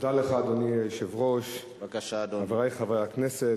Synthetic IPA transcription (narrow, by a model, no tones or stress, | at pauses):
d̪aleχaːd̪onieʃevʁoʃ | kaʃadavaʁajχavajaknese